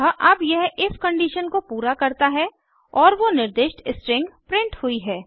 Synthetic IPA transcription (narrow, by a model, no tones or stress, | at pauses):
ɦʔɐbjɛɦɪskɐ̃ɳɖiːʃənkopuːɾakɐɾt̪aɦɛ | ɔːɾʋonɪɾd̪eːʃʈɪsʈɾɪ̃ŋɡpɾɪ̃ɳʈhʊiɦɛː